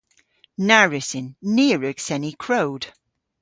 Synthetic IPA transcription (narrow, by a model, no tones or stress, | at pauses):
naɹɪsɪ̃nːɪːɹəɡ̥sɛnikʰɹ̥oʊd̥